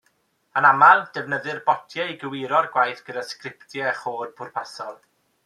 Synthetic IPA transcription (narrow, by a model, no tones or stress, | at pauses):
ənamalˠd̥ɛvnəðɨrbɔtʰjɛiɡəwɪɾɔrɡwajθɡ̥ədaskrɪptʰjɛχoːrbʰʊrpʰasɔlˠ